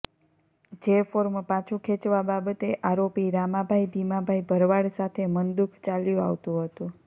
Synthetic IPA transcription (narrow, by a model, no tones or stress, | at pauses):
d͡ʒefoɾmpãt͡ʃʰũkʰet͡ʃʋababət̪eʔaɾopiɾamabʱaibʱimabʱaibʱəɾʋaɽsat̪ʰemənd̪ukʰt͡ʃaljũa̰ʋt̪ũɦət̪ũ